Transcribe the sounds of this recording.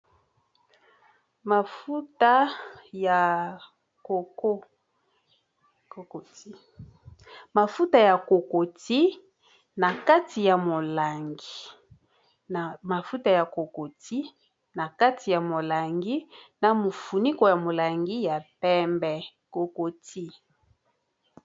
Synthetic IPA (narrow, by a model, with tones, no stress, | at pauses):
ma˨fu˦ta˦ja˨ | ko˨ko˦ | o˨ko˨ti˦ | ma˨fu˦ta˨ja˨ko˨ko˨ti˦ | na˨ka˦ti˨ja˨mo˨la˨ŋɡi˨ | ma˨fu˦ta˨ja˨ko˨ko˨ti˦ | na˨ka˦tʰi˨ja˨mo˨la˨ŋɡi˦na˨mo˨fu˨ni˦ko˨ja˨mo˨la˨ŋɡi˦ja˨pɛ˦mbɛ˨ko˨ko˨ti˦